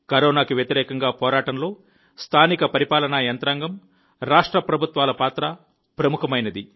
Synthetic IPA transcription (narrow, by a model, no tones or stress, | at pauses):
kɐɾɔːnaːkiʋjɐt̪iɾɛːkɐŋɡaːpɔːɾaːʈɐnlo̞ː | st̪ʰaːnikɐpɐɾipaːlɐnajɐnt̪ɾaːŋɡɐm | ɾaːʂʈɾɐpɾɐbʱut̪ʋaːlɐpaːt̪ɾɐ | pɾɐmukɐmɐjnɐd̪i